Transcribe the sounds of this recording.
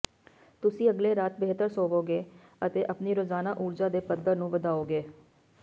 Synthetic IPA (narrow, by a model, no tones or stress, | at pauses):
t̪ʊsĩːəɡleːɾaːt̪̚beːt̪əɾsoːʋoːɡeː | ət̪eːʔəpniːɾoːzaːnaːʔuːɾd͡ʒaːd̪eːpəd̪əɾnũːʋəd̪aːoːɡeː